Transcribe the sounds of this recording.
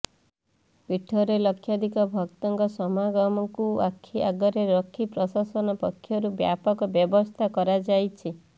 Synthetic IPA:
piʈʰːɔɾelɔkʰjad̪ʱikɔbʱɔkt̪ɔŋkɔsɔmaɡɔmɔkuakʰːiaɡɔɾeɾɔkʰːipɾɔsasɔnɔpɔkʰːjɔɾubja̰pɔkɔbjɔbɔst̪ʰakɔɾad͡ʒajt͡ʃʰi

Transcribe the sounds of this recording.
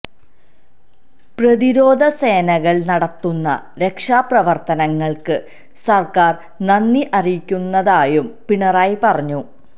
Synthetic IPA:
prɐðiɾo̞ːd̪ʱɐse̞ːnɐɣɐɭnɐɽɐt̪ːunːɐ̰ | ɾe̞kʂaːprɐʋɐrt̪ɐnɐŋːɐɭkɨ | sɐrkaːr | nɐnːiʔɐrijikʲːunːɐðaːjumpiɳɐraːjipɐrɐɲːu

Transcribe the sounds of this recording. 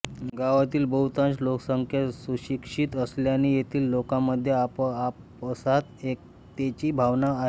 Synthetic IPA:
ɡaʋat̪iːlbəɦut̪ãnt͡sloksəŋkʰjasuɕikʂiːt̪əsljanijet̪ʰiːlːokaməd̪ʱːjeapa | pəsat̪ek̚ | t̪et͡ɕiːbʱaʋnaːɦe

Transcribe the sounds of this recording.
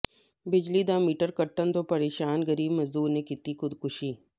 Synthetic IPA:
bɪd͡ʒlid̪aːmiːʈəɾkɐʈːənt̪oːpɐɾeːʃaːnɡɐɾiːbmɐzuːɾnekɪt̪ixʊd̪kʊʃiː

